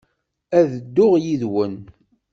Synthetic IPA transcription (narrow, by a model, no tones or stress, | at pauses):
æðəd̪ːʊʁjiðwən